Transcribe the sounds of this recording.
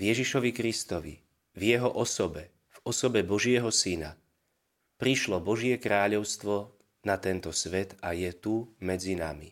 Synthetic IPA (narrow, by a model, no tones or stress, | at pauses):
vjɛʒiʃɔʋikɾist̪ɔʋḭ | vjɛɦɔʔɔsɔbɛ | v̥ɔsɔbɛbɔʒɪɛɦɔsina | pɾiʃlɔbɔʒɪɛkɾaːʎɔʊst̪ʋɔ | nat̪ɛnt̪ɔsʋɛt̪ajɛt̪umɛd͡zina̰mḭ